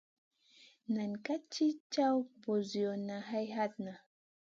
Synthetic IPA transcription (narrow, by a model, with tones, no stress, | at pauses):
na˨nka˦t͡ʃi˦t͡ʃa˦wbo˨zjo˨na˨ɦa˦jɦa˦t̪̚na˨